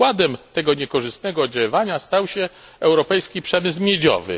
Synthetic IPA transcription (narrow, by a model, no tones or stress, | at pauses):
wad̪ɛmt̪ɛɡɔɲɛkɔʐɨst̪nɛɡɔd͡ʑawɔvaɲast̪awɕɛ | ɛwɾɔpɛjskʲipʂɛmɘs̬mʲjed͡ʑɔ̰vɘ̰